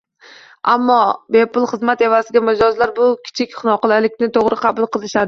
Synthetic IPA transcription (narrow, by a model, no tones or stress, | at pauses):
amːɒbe̞pʊlˠχɨzmat̪e̞vasɪɡʲamɪd͡ʒɒzlaɾbʊkʲʰɪ̥t͡ʃʰɪkʲχɨnɒqɨlalɪkʲnɪt̪ʰoʁɾɪqʰɑbʊlˠqʰɨlˠɪʃad̪ɪ